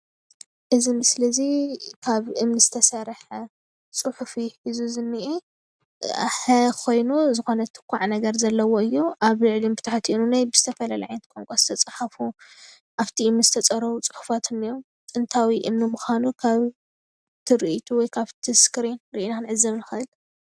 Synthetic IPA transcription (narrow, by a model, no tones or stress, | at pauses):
ʔɨzimsɨlɐzikʰaβʔɨmnɨzɨt̪ʰɐsɐɾħɐ | t͡sʼɨħufiħizuzɨnːɨʔḛ | ħɐkʰo̞jnuzɨxo̞nɐt̪ʰɨ̥kʰʷːaʕnɐɡɐɾzɐlːɐwo̞ɨjːuʔaβlɨʕlimbɨt̪ʰaħat̪ʰiinunajbɨz̥ɨt̪ʰɐfɐlalaʕajnɐt̪̚kʼoŋkʷʼasɨ̥t̪ʰɐt͡sʼaħafu | ʔaβt̪ʰiʔɨmnɨzɨt̪ʰɐt͡sʼɐɾɐβut͡sʼɨ̥ħu̥fat̪ʰɨnːiɾom | t̪ʼɨnt̪ʰawiʔɨmnimuxanukʰaβ | t̪ʰɨɾɨʔit̪ʰuwɔjkʰaβt̪ʰɨskɾinɾɨʔinanʕɨzːɐβnɨxɐʔɨl